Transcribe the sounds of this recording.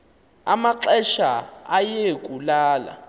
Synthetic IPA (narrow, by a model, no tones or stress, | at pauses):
amaǁɛʃaajekʼulaːla̰